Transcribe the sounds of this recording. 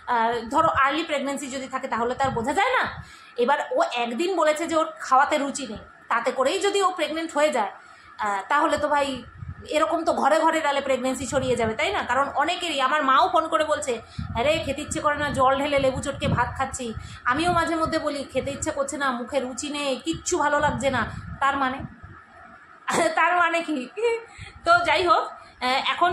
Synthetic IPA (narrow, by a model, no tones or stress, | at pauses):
d̪ʱɔɾoʔaɾlipɾeɡnensid͡ʑod̪ʱit̪ʰaket̪aɦolet̪aɾbod͡ʑʱad͡ʑaena | ebaɾoʔɛkd̪inbolet͡ɕʰed͡ʑeokʰaoat̪eɾut͡ɕinej | t̪at̪ekoɾejd͡ʑod̪iopɾeɡneɳʈɦoed͡ʑae | t̪aɦolet̪obʱajeɾɔkomt̪oɡʱɔɾeɡʱɔɾet̪alepɾeɡnensit͡ɕʰoɽijed͡ʑabet̪ajnakaɾonɔnekeɾiamaɾmãofʰonkoɾebolt͡ɕʰeɾekʰet̪itːɕʰekoɾenad͡ʑɔlɖʱelelebut͡ɕoʈ̚kebʱat̪̚kʰatːɕʰi | amiomad͡ʑʱeɾmod̪ʱːebolikʰet̪itːɕʰekoɾt͡ɕʰenamukʰeɾut͡ɕinejkitːɕʰubʱalolaɡ̚d͡ʑenat̪aɾmane | t̪aɾmaneki | t̪od͡ʑajɦokɛkʰon